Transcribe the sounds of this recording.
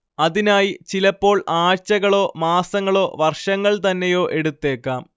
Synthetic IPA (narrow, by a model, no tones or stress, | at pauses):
ɐðinaːjit͡ɕilɐpːo̞ːɭaːt͡ɕːɐɣɐɭo̞ːmaːsɐŋːɐɭo̞ːʋɐrʂɐŋːɐɭt̪ɐnːe̞jo̞ːʔe̞ɽut̪ːe̞ːkːaːm